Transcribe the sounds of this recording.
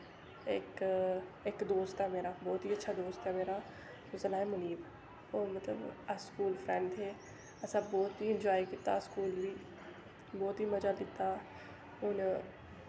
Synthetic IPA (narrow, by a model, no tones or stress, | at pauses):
eːk | ekd̪oːst̪ɦɛːmeːɾaːbɔːt̪ɦiːətːʃʰad̪oːst̪ɦɛmeːɾaː | ʊzənaːemʊliːb | oːɾmət̪lə̰baskuːlfʰɾɛ̃ɳɖɦeː | ɐsãːbɔːt̪iɪnd͡ʒaːikit̪ːaskuːlːiː | bɔːt̪ɦiːməd͡ʒaːlɪt̪ːaː | ʊn